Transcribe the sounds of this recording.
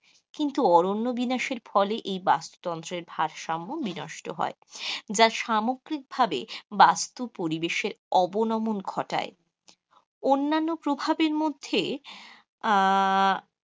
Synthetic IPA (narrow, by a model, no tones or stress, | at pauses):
kint̪uɔɾonːobinaʃeɾfɔleʔejbast̪o̥t̪ɔnt̪ɾeɾbʱaɾʃamːobinɔʃʈoɦɔ̰ed͡ʑaɾʃamoɡɾik̚bʱabebast̪upoɾibeʃeɾɔbonɔmonɡʰʱɔʈa̰e | onːanːopɾobʱabeɾmod̪ʱːe